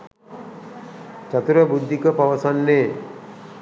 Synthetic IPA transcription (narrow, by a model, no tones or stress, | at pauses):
t͡ʃat̪uɾəbud̪ʱːikəpaʋəsanːeː